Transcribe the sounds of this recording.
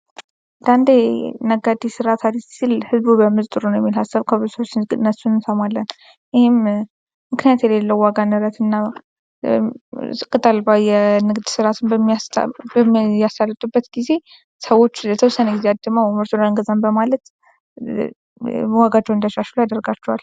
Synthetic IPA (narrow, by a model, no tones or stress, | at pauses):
nd̪and̪enəɡad̪isɨɾat̪ʰad̪issilhɨzbubəmɨzt̪ʼɨɾunwjɛ̰mːilhasːəβkʰəβusəwot͡ʃːɡnːəsunɨnsəmalːən | ɪhɪm | mɨknɨjat̪jɛlelːəwwaɡanɨɾət̪ʰɨnːa | sʼɨkʼɨt̪ʼalbajɛnɨɡd̪sɨɾat̪ʰɨnbəmːijasbəjast̪alːɨt̪ʼubːət̪ɡ̥ize̞ | səwo̞t͡ʃːlət̪ʰəwsəneɡizead̪ːəməwməɾsulaŋɡəzanbəmalət̪ | waɡad͡ʒɛwɨnd̪əʃaʃulajad̪ərɡat͡ʃːɛwal